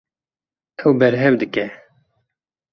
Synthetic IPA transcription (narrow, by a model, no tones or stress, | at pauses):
ɛwbɛɾɦɛvd̪ɨkɛ